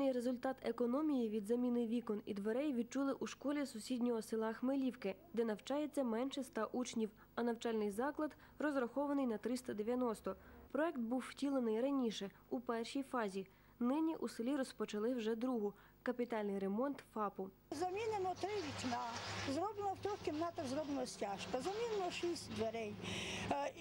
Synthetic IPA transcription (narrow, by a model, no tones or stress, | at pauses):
nɪjɾezʊlʲt̪ɑt̪ekɔnɔmʲijiʋʲid̪zɐmʲinɪʋʲikɔnḭd̪ʋeɾɛjʋʲid̪̚t͡ʃulˠɪʔuʃkɔlʲisʊsʲidʲnʲɔɦɔsɪlˠɑxmelʲiwkɪd̪ɛnɐwt͡ʃɑjet͡sʲːɐmɛnʃɛst̪ɑʔut͡ʃnʲiw | ɐnɐwt͡ʃɑlʲnɪjzɑklˠɐd̪ | rɔzɾɐxɔʋɐnɪjnɐt̪ɾɪst̪ɐd̪eʋʲjɐnɔst̪ɔpɾɔɛkt̪̚buwːtʲilˠenɪjrɐnʲiʃɛ | upɛrʃijfɑzʲi | nɪnʲiʔusɪlʲiɾɔspɔt͡ʃɐlˠɪwʒɛd̪ɾuɦʊ | kɐpʲit̪ɑlʲnɪjɾemɔnt̪fɑpʊ | zɐmʲinenɔt̪ɾɪʋʲit͡ʃʲnazɾɔblˠenɔwt̪ɾɔxʲkʲɪmnat̪ɐzɾɔblˠenɔsʲtʲaʃkɐzɐmʲinenɔʃisʲtʲd̪ʋeɾɛj